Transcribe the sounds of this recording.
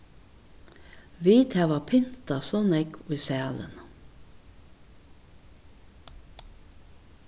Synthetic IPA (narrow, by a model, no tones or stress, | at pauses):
ʋiːt̪ʰæʋɑpʰɪnt̪ɑsɔnɛkʰoiːsæːlə̰n